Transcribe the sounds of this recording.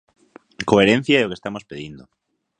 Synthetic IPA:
koeɾen̟θjaeokest̪amospeðind̪o

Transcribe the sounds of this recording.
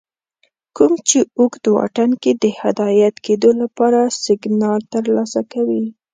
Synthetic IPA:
kumt͡ʃeukd̪wɑ̰ʈanked̪əhad̪ɑjat̪ked̪olapɑɾasɪɡnɑlt̪əɾlɑsakawi

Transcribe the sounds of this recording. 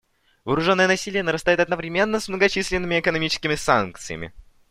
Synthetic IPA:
vəːɾʊʐo̞nːəjənɐsʲilʲɪjənəɾɐst̪ajɪt̪ɐd̪nəvɾʲɪmʲe̞nːəsmnəɡɐt͡ɕisʲlʲɪnːɨmʲɪɛkənɐmʲit͡ɕɪ̥skʲɪmʲɪsank̚t̪sɨ̰jə̰mʲɪ̰

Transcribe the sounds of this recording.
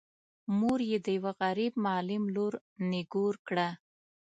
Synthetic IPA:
muɾjed̪əjawaɣaɾib̚mːlɪmloɾ | nɪɡoɾkɽa

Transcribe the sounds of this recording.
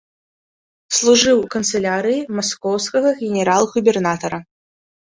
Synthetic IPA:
slˠuʐɨwkənt̪sɨlʲaɾɨjimɐskɔwskəɣɐɣʲɪnʲɪɾalˠɣʊbʲɛrnat̪ɐɾɐ

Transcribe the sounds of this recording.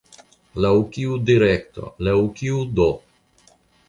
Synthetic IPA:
lawkiud̪iɾekt̪o̰lawkiud̪o

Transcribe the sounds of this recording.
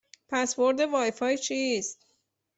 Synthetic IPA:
pʰæsvo̞ɾd̪evɒːjefɒːjt͡ʃʰiːst̪̚

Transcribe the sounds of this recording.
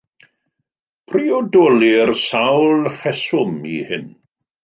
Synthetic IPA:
pʰriɔdɔlˠirsawlˠhɛsʊmḭhɪn

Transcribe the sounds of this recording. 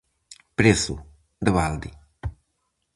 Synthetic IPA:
pɾesṵ | d̪əβald̪i

